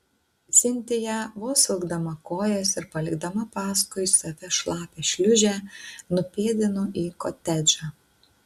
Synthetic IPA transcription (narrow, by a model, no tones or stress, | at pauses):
t̪sʲɪnʲt̪ʲɪjæʋoːsʲɪlˠɡd̪ɐmɐkoːjɛːsɪɾpɐlʲɪɡd̪ɐmɐpɑːskʊɪsɐʋʲɛʃlˠɑːpʲeːʃʲlʲʊʒʲæːnʊpʲeːd̪ʲɪnoʔiːkoːt̪ʲɛd͡ʒʲɑ